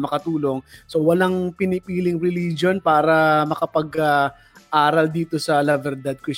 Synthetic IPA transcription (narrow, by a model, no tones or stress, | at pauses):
mɐkɐt̪uːlo̞ŋsowɐlaŋpɪnɪpiːlɪŋɾɛliːd͡ʒo̞npaːɾɐmɐkɐpɐɡa | ʔaːɾɐld̪iːt̪o̞sɐlɐvɛɾd̪ɐd̪̚kɾɪs